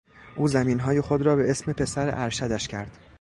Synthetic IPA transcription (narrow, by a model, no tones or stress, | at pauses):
ʔuːzæmiːnɦɒːje̞xod̪ɾɒːbee̞sme̞pʰe̞sæɾḛʔæɾʃæd̪æʃcʰæɾd̪̥